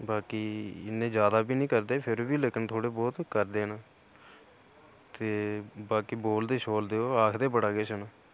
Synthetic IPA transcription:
baːkiːɪnẽːd͡ʒjaːd̪aːbiːnĩːkəɾd̪eːpʰɪɾbiːlekənt̪ʰoːɽeːbɔːt̪kəɾd̪eːnãː | t̪eːbaːkiːboːld̪eːʃoːld̪eːoːaːkʰd̪eːpəɽaːɡeːsənaː

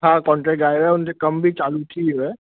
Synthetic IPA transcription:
akɔ̃ːɳʈɾɛk̚ɡaːjʋɛʊnt̪ekɐmbʱit͡ʃaːlut̪ʰiʋɛː

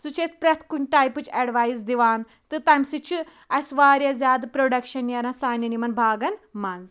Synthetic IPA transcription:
sut͡ʃʰesʲpɾɐt̪ʰkunʲʈaːjpɨt͡ʃʰɐɖʋaːjzd̪iʋaːn | t̪ɨt̪ɐmʲsɨt͡ʃʰɨ | ɐsʋaːɾʲjazʲjaːd̪ɨpɾoɖɐkʃɐnjɐɾãsaːnʲjɐnimɐnbʱaːɡɐnmɐnz

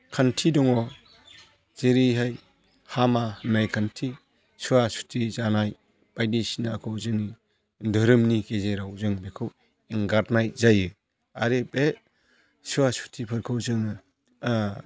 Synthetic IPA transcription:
kʰantʰidɔŋɔ | z̥eɾiɦaj | hamahnːajkʰantʰi | suwasu̥tʰizanaj | b̥ajdisinakʰɯwzɯni | dɯɾɯmnikezeɾawzɯŋbekʰɯw | eŋɡaɾnajzajɯ | a̰ɾebe | suwasu̥tʰipʰɯɾkʰɯwzɯŋnɯ

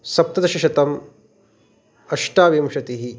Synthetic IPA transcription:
sɐp̚t̪ɐd̪ɐʃɐʃɐt̪ɐm | ɐʂʈaːʋiːmʃɐt̪iɦi

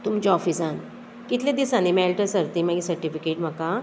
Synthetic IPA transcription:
t̪umt͡ɕeɔfisan | kit̪ʰlẽd̪isãnemɛlʈəsəɾt̪imãɡisəɾʈifikeʈm̤əka

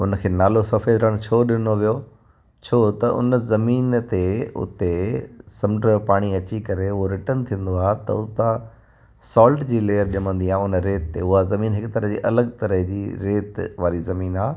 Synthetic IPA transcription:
ʊnəkʰeːnaːlosɐfed̪ɾəɽ̃t͡ɕʰoːɗɪnoʋijo | t͡ɕʰoːt̪ɐʔʊ̰nəzɐmiːnt̪eʊ̰t̪esɐ̃mɖɾəpaːɽ̃iɐt͡ɕikɐɾeʊɦoɾɪʈənt̪ʰĩːə̃n̆d̪oaːɦet̪ɐ̰ʊt̪ã | sɔːlʈd͡ʑiːleːəɾɗɪmə̃nd̪iãːʊnɾeːt̪ːeʊɦazɐmiːnɦɪkt̪ɐɾəɦd͡ʑiːʔɐləɡ̚t̪ɐɾəɦd͡ʑiːɾeːt̪ʋaːɾizɐmiːnaː

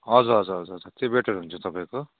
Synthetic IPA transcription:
ʌd͡zʌʌd͡zʌʌd͡zʌd͡zʌt̪ebeʈʰʌɾɦunt͡sʰʌt̪ʌpaĩko

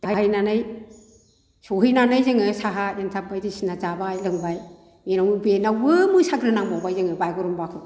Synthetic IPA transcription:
taɦaɦɯjnanɯj | soɦɯjnanɯjzɯŋɯsaɦajantʰab̚bajdisinazabajlɯŋbaj | menawmɯbenawɯmɯsaɡɾɯnaŋbawbajzɯŋɯbajɡɔɾɔmbakʰɯ

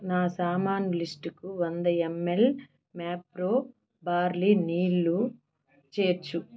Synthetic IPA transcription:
naːsaːmaːnulisʈkuʋɐnd̪ɐemːel | maːpɾoː | baːɾliniːɭːu | t͡ʃeːɾt͡ʃːu

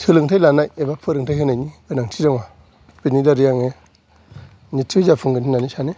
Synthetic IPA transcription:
tʰələŋtʰajlanajebapʰəɾəŋtahinaɲiɡənaŋtʰidaŋwa | b̥inidaɾijaŋe | nitud͡ʒafʰuŋɡəninaniʃani

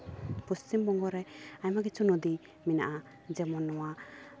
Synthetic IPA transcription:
pɔst͡ʃimbɔŋɡɔɾɛaɲmaɡɛt͡ʃunɔd̪i | mina̰ʔa | d͡ʒɛmɔnːɔwa

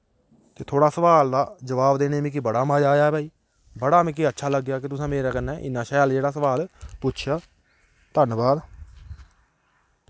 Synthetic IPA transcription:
t̪eːt̪ʰoːɽaːsəʋaːld̪aːd͡ʒəʋaːbd̪eːneːmĩːk̬ɪbəɽaːmãːd͡ʒaːjaːbaːiː | bəɽaːmɛ̃ːk̬iətːʃʰaːləɡjaːk̬ɪt̪ʊsãːmeːɾaːkənːɛ̃ːʔɪ̰nːãːʃɛːld͡ʒeːɽaːsəʋaːlpʊtːt͡ʃʰjaː | t̪ənbaːd̪

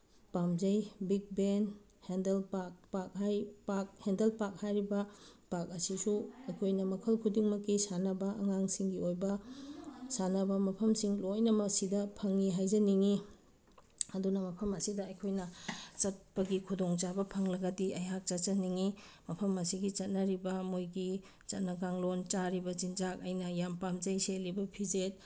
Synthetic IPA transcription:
pamzɐjbik̚ben | hendelpak̚pak̚hajpak̚hendelpak̚hajɾibɐpak̚ɐsisuɐjkʰojnɐmɐkʰɐlkʰudiŋmɐkːisanɐbɐʔɐŋaŋsiŋɡiojbɐ | sanɐbɐmɐpʰɐmsiŋlojnɐmɐsidɐpʰɐŋːiɦajzɐniŋi | ɐdunɐmɐpʰɐmɐsidɐɐjkʰojnɐt͡ʃɐt̚pɐɡikʰudoŋt͡ʃabɐpʰɐŋlɐɡɐdiʔɐjak̚t͡ʃɐt͡ʃɐniŋi | mɐpʰɐmɐsiɡit͡ʃɐt̚nɐɾibɐmojɡi | t͡ʃɐt̚nɐɡaŋlont͡ʃaɾibɐzinzak̚ɐjnɐjampamzɐjselibɐpʰizet̚

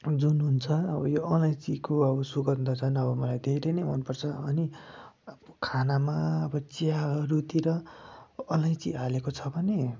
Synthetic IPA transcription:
d͡zunɦunt͡sʰʌːbʌjoʌlajt͡sikoʌbʌsuɡʌd̪ʌt͡sʰʌnʌbʌmʌlajd̪ʱeɾʌjnʌjmʌnpʌrt͡sʰʌʌni | kʰanamaʌbʌt͡sjarut̪iɾʌ | ʌlajt͡sialekot͡sʰʌbʱʌne

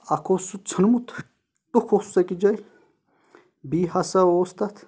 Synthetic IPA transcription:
akʰosut͡sʰənmut̪ʰ | t̪ʼukʰosu̥sɐkʼid͡ʒɐj | biːɦasɐoːst̪ɐt̪ʰ

